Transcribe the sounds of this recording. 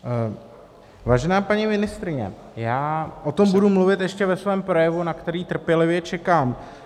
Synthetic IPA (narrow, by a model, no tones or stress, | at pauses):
vaːʒɛnaːpaɲimɪnɪst̪ɾɪɲɛ̰ | jaːʔo̞t̪o̞mbudumluvɪt̪jɛʃcɛvɛsvɛːmpɾo̞jɛvunakt̪ɛɾiːt̪r̩pjɛlɪvjɛt͡ʃɛkaːm